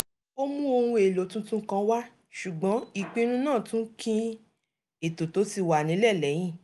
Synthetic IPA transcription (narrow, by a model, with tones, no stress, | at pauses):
o˦mũ˦o˧hũ˧e˨lo˨˦tũ˦tũ˦kã˧˦wa˦ | ʃu˨ɡ͡bɔ̃˨˦i˦˨k͡pĩ˧nũ˦nãː˦˨tũ˨˦kʰĩ˦ | e˨to˨to˨˦ti˧wa˨nĩ˨˦lɛ˦˨lɛ˨˦j̃ĩ˦˨